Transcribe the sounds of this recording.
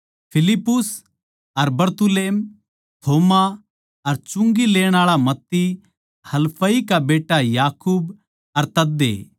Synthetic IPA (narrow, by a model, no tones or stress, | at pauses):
pʰɪlɪpːʊs | ɐɾbɐɾt̪ʊleːm | t̪ʰoːma | ɐɾt͡ʃʊ̃ŋɡileːɽ̃aːɭamɐt̪ːi | hɐlpʰəikabeːʈajaːkuːb | ɐɾt̪ɐd̪ːḛ